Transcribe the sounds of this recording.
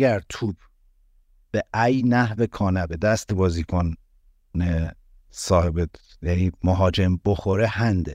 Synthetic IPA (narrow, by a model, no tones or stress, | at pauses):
æɾt̪ʰuːb | b̥eʔæjnæhve̞kʰɒːnæbed̪æst̪ʰebɒːzikʰon | e | sɒːhebe | jæniːmoɦɒːd͡ʒe̞mbo̞xo̞ɾehænd̪e